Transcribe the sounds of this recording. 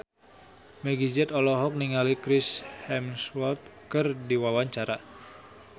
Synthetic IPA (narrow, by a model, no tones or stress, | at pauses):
mɛɡid͡ʒɛt̪ɔlɔɦɔk̚niŋalikɾɪshɛmswɔt̪̚kɨrdiwawaɲt͡ʃaɾa